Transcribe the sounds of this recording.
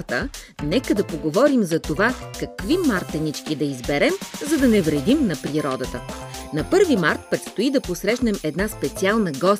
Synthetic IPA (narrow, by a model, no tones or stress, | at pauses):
t̪ə | nɛkəd̪ɐpoɡovɔɾimzɐt̪ovakɐkvimaɾt̪ɛnit͡ʃkid̪ɐizbɛɾɛmzɐd̪ɐnɛvɾɛd̪imnɐpɾiɾɔd̪ət̪ənɐpɤɾvimaɾt̪̚pɾɛt̪st̪oid̪ɐposɾɛʃnɛmɛd̪naspɛt̪sialˠnəɡɔs